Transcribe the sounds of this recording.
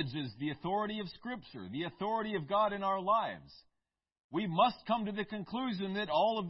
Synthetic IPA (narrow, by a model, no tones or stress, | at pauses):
ɨd͡ʒɨzðiɨθɔɹɨɾiʌv̥skɹɪp̚ʃə̰˞ðiɨθɔɹɨɾiʌvɡɑɾɨ̃naʊə˞laɪvz̥ | wimʌst̚kʰʌ̃mtɨðɨkɨ̃nkʰl̥ʉʒɨ̃nðɨɾɔlˠʌv